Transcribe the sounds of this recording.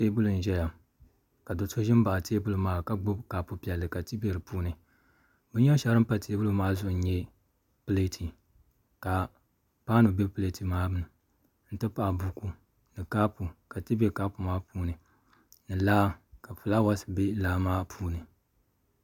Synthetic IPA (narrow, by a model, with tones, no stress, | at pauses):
teː˦bʊ˦lʊ˨n̩˨ʒɛ˦ja˨ | ka˨do˨so˦ʒɪ˦m˦ba˨teː˦bʊ˦lu˨maː˦˨ka˦ɡ͡bʊ˦bkaː˨pu˦pi˨ɛ˨lːɨ˨ka˨tɨ˦bɛ˨ɾɨ˨puː˦nɨ˨ | bɨ˦ɲɛ˦ʃɛ˦ɾɨ˦m˦pa˦tʰeː˦bʊ˦lʊ˨maː˦zʊ˦˨˦ɲɛ˦ | pɨ˦le˦tʰi˨ | ka˨ | paː˦nɨ˨be˦pɨ˦le˦ti˨maː˦bɨ˨nɨ˨ | n̩˦tɨ˦pa˦˨bu˨ku˦ | nɨ˨kaː˦pu˨ka˨tɨ˦bɛ˦ka˦pu˨maː˦puː˦nɨ˨ | nɨ˨laː˦ka˨fɨ˨la˦wa˦sɨ̥˨be˦laː˦maː˦pʰuː˦nɨ˨